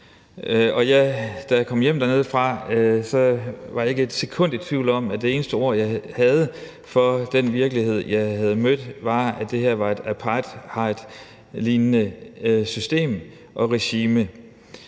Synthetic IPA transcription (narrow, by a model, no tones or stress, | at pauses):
ɒ̽jæɪd̥ækʰɒ̽mjem̰d̥æɐne̝ːð̞̩ˠfʁɑ̈sɒ̽ʋɑ̈dɑ̈e̝ɡ̥əe̝d̥se̝kʰɔ̽n̰d̥it͡sʰʋiʊlɒ̽m̰æd̥e̝e̝ːnəsd̥əo̝ɐ̰jɑ̈ɪhæð̞ˠə | fɒ̽d̥enʋiɐɡ̥əlihe̝ð̞̰ˠjɑ̈ɪhæð̞̩ˠəmød̥ʋɑ̈æd̥e̝he̝ɐ̰ʋɑ̈e̝d̥æpʰɑd̥hɑ̈d̥ | liːnnəsysd̥e̝̰ːm | ʔɒ̽ʁeɕiːmə